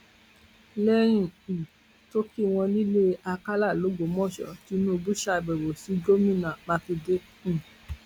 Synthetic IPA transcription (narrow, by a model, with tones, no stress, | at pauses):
lɛ˦ɾ̃ĩ˦˨i˨ | to˦ki˦w̃ɔ̃˧li˦le˦a˧ka˦la˦˨lo˨˦ɡo˨˦mɔ̃˦˨ʃɔ̰˨ti˨˦nũ˦˧bu˦ʃa˧˨ɡ͡bɛ˨ɾo˨si˨˦ɡo˦mĩ˦˨nã˨mã˧fi˧dẽ˦˨